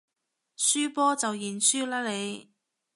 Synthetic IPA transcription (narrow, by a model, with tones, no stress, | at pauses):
syː˥pɔː˥t͡sɐ˨wjiː˨˩nsyː˥laː˥le˨˧j